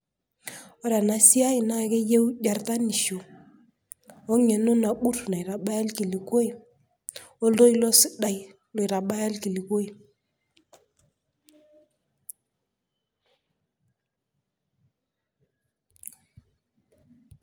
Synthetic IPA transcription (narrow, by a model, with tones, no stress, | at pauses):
ɔ˦ɾja˨na˨si˦a˦i˨na˦˨ke˦je˦wɟa˨rta˦ni˨ʃo˨ | ɔ˦ŋɛ˨no˦na˨ɓu˦tu˨na˨i˨ɾa˨ɓa˦ja˦lki˨li˨ko˦i˨ | o˦lo˦i˦lɔ˦si˦ɗa˨j | lo˨ɾa˨ɓa˦ja˦lki˨li˨ko˦i˨